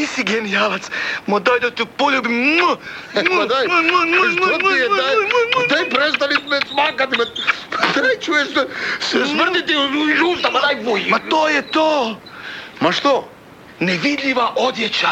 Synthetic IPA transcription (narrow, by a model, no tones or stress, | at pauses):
isiɡɛnialat̪smod̪ɔjd̪ot̪poʎubimməmd̪ajmməmmɛad̪ajpɾɛst̪alit̪mɛsmakat̪mɛt̪t̪ɾɛt͡ʃuɛsssmr̩t̪it̪iʒut̪amad̪ajbujimat̪ojɛt̪o | maʃt̪o | nɛʋid̪ʎʲiʋaʔod̪jɛt͡ʃa